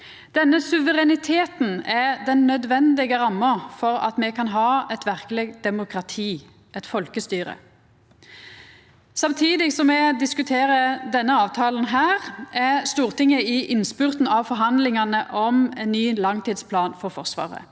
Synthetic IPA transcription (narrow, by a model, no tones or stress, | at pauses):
d̪̥ɛnːəsʉʋəʁɛnɪt̪ʰeːt̪n̩ɛʁd̪ɛnːœd̪ʋɛnd̪ɪɡəʁɑmːɑfɔɾɑ̰t̪mɛkʰɑnɦɑːɛt̪ʋæʁkleːɡd̪ɛmʊkʰɾɑt̪ʰiː | ʔɛt̪fɔlkəst̪yːʁə̰ | sɑmt̪ʰiːd̪ɪsɔmːɛd̪ɪskʉt̪ʰeːʁəd̪ɛnːəɑːʋt̪ʰɑːln̩ɦæːʁæʁst̪uːʁt̪ɪŋːəɪʔɪnspʉːʁt̪n̩ɑʋfɔɾɦɑnd̪lɪŋɑnəʔɔmɛnːyːlɑŋt̪iːd̪spʰlɑːnfɔʁfɔʁsʋɑ̰ːʁə̰